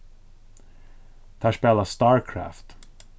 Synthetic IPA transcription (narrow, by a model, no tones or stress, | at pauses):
t̪ʰæːʂpɛːlast̪ɑːɹkʰɹæ̰ːft̪